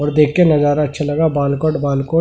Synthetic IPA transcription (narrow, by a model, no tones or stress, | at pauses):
ɔːɾd̪eːkʰːenɐzaːɾaɐtːʃʰalɐɡabaːlkɔːʈbaːlkɔː